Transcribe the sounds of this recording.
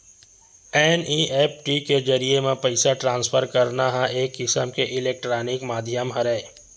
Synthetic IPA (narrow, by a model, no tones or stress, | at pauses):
ɛːniʔeːp̚ʰʈiked͡ʒɐɾiemẽpɐɪsaʈɾãːnsfʰəɾkɐɾnaɦãeːkɪsəmkeʔɪleːk̚ʈɾaːnɪkmaːd̪ʱjəmɦɐɾɛː